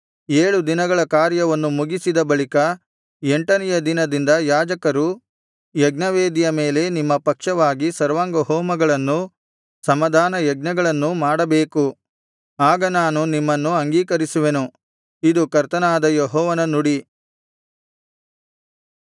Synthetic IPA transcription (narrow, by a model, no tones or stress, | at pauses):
eːɭud̪inɐɡɐɭɐkaːɾjɐʋɐnːumuɡisid̪ɐbɐɭikɐ | eɳʈɐnɛjɐd̪inɐd̪ind̪ɐjaːd͡ʒɐkɐɾu | jɐɡnɐʋeːd̪ijɐme̞ːle̞nimːɐpɐkʂɐʋaːɡisɐɾʋaːŋɡɐɦɔːmɐɡɐɭɐnːu | sɐmɐd̪ʱaːnɐjɐɡ̚nɐɡɐɭɐnːumaːɽɐbe̞ːku | aːɡɐnaːnunimːɐnːuɐŋɡiːkɐɾisuʋe̞nu | id̪ukɐɾt̪ɐnaːd̪ɐjɔɦɔːʋɐnɐnuɽi